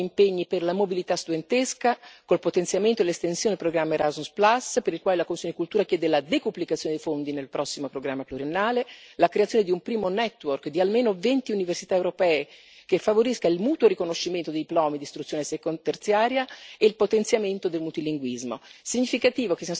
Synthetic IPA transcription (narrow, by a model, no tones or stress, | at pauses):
impeɲːiperlamobilit̪ast̪ud̪ent̪eskakolpot̪ent̪sjament̪oelest̪ensjonepɾoɡɾamːaɾazusplasːpeɾilkwaːlelakomisːjonekult̪uːɾakjɛːd̪elad̪epublikat̪sjoned̪ejfond̪inelpɾʔɔsːimopɾoɡɾamːapluɾienːaːlelakɾeat̪sjoned̪iumpɾiːmonɛt̪ːworkd̪ialmeːnovent̪iuniversit̪aewɾopɛːe | kefːavoɾiskailmuːt̪woɾikonoʃːiment̪od̪ed̪iplɔːmid̪ist̪ɾut̪sjoːnesekot̪ert̪sjaːɾjaeilpot̪ent̪sjament̪od̪elmut̪iliŋɡwizmo̰siɲːifikat̪iːvokesia